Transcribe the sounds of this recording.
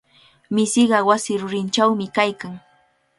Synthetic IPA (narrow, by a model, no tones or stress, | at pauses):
mɪsɪɢɑwasɪɾʊɾɪnt͡ʃawmɪkajkaŋ